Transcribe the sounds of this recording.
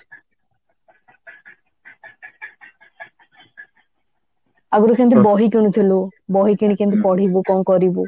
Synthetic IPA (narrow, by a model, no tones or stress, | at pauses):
aɡuɾokent̪̬ɾibɔɦikeñut̪ʰelobɔɦikiɳ̃ikẽnt̪ɾipɔɽ̤ibokɔŋkɔɾibo